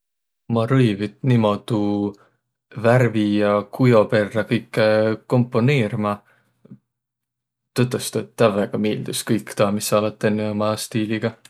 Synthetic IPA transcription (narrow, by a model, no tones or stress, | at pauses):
mɑɾɤjvit̪nimo̞d̪̥u | værvijɑkʰujo̞pe̞rːɑkɤjkˑːeko̞mpːˑo̞neːɾimɑ | t̪ɤt̪ːˑest̪ɑt̪ːæveɡ̥ɑmiːld̪uskɤjkːt̪ɑːmisɑlɑt̪ˑːenːeomɑst̪iːliɡ̥ɑ